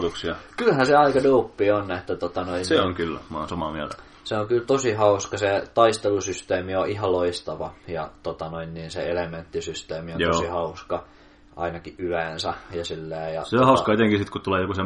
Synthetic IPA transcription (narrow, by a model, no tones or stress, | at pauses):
t̪uksiɑkylhæseɑikɑdoupːionːet̪ːæt̪ot̪ɑnoinseoŋkylːmɑ̰ːˑnsomɑ̰miæ̰t̪æ | seokylt̪osihɑuskɑset̪ɑist̪elusyst̪eːmioʔihɑloist̪ɑʋɑjɑt̪ot̪ɑnoinniːnseelement̪ːisyst̪eːmionj̪osihɑuskɑ | ʔɑ̰inɑkiʔʔyeˑnsæjɑsilːæːjɑ̰seohɑˑuskɑet̪eŋkisit̪kutt̪uleːjokusem